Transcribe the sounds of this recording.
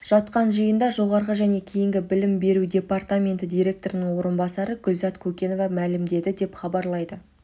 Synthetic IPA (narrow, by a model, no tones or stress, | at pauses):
ʒ̥ɑt̪qɑnʒəjənd̪ɑʒo̞ʁɑɾʁəʒæne̞kʲʰejɪŋɡʲɪbɪlɪmbe̞ɾud̪ʲe̞part̪amʲe̞nt̪ɪd̪ʲijɾʲe̞k̚t̪o̞ɾənəŋwo̞ɾənbɑsɑɾəɡʊlzɑt̪kʲʰɵkʲe̞no̞vɑmælɪmd̪e̞d̪ɪd̪e̞pχɑbɑɾlˠɑjd̪ə